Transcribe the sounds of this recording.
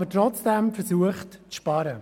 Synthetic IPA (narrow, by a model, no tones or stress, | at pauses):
bətʁɔt͡sd̥ɛmfɛɾsuəχtt͡sʃpɑːɾə